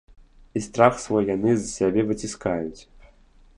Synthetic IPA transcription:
ist̪ɾaxsvɔjːanɨzɐsʲabʲɛvɨt͡sʲiskajut͡sʲ

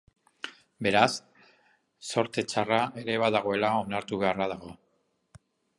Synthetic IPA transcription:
be̞ɾasː | o̞ɾt̪e̞t͡ʃarae̞ɾe̞β̞aðaɣ̞o̞e̞lao̞naɾt̪uβe̞arað̞aɣo̞

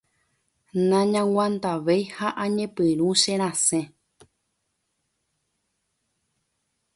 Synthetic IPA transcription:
nãɲãwãnd̪aʋejhaʔãɲẽpɨɾ̃ũʃẽɾ̃ãsẽ

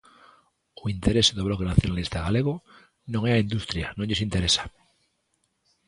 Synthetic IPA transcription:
oint̪e̞ɾe̞sðoβ̞lokenaθjonalist̪aɣaleɣ̞o | nõŋeaind̪ust̪ɾjanõnʎosint̪e̞ɾesḁ

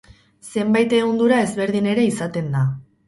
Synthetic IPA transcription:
se̞mbajt̪e̞ɣond̪uɾae̞zβe̞ɾðine̞ɾe̞isat̪e̞nd̪a

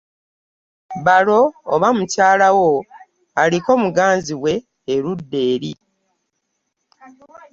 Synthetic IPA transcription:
βalo̞ːβamucaːlawo | aliko̞muɡaːnziwe̞ː | ɾudːe̞ːɾi

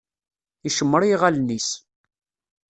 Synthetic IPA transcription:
iʃəmːəɾjiʁalnis

